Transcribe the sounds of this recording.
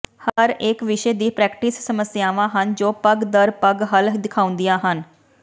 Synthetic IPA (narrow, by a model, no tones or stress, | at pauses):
həɾɪkʋɪʃeːd̪iːpɾɛːkʈiːsːəməsjaːʋãːɦənd͡ʒoːpəɡd̪əɾpəɡɦəld̪ɪkʰaːʊ̃nd̪ijãːɦən